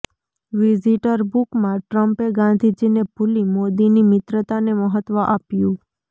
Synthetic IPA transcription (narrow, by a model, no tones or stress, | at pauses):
ʋiziʈəɾbukmãʈɾəmpeɡãnd̪ʱid͡ʒinebʱulimod̪inimɪt̪ɾət̪aneməɦət̪ʋəʔapjũ